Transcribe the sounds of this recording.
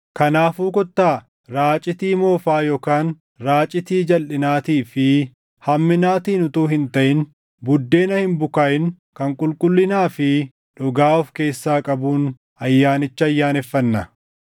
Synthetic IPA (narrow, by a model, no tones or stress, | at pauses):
kɐnaːfuːkɔt̪ːaː | ɾaːt͡ʃʼɪt̪iːmo̞ːfaːjoːkaːn | ɾaːt͡ʃʼɪt̪iːd͡ʒɐlʔɪnaːt̪iːfɪ | hɐmːɪnaːt̪iːnʊt̪uːhɪnt̪ɐʔɪn | bʊd̪ːe̞ːnɐhɪmbʊkaːʔɪn | kɐŋkʼʊlkʼʊlːɪnaːfɪ | ᶑʊɡaːɔfke̞ːsːaːkʼɐbuːn | ɐjːaːnɪt͡ʃːɐɐjːaːnɛfːɐnːɐ